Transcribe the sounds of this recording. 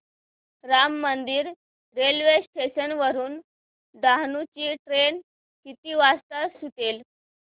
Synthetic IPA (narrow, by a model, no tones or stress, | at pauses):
ɾamːənd̪iːɾ | ɾelʋesʈeɕənʋəɾuːn | ɖaɦnut͡ɕiːʈɾen | kit̪iːʋast̪əsit̪el